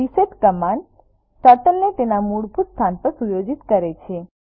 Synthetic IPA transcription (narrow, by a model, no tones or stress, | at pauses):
iseʈkəman | t̪əʈəlnet̪enamuɽbuɾst̪ʰanpəɾsujod͡ʒit̪kəɾet͡ʃʰe